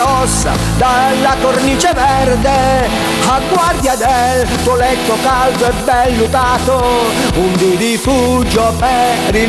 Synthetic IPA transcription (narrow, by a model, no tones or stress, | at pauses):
ɔsːa̰ | d̪alːakornit͡ʃevɛrd̪e | aɡːward̪jad̪elt̪olɛt̪ːokald̪oɛbːɛlːut̪aːt̪o | und̪id̪ifud͡ʒopɛ | i